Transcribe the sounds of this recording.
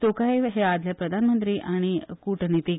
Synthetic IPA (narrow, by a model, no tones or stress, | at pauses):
t̪okajɦead̪ʱljapɾəd̪ʱanmənt̪ɾiːʔaɽ̃ikuʈnit̪i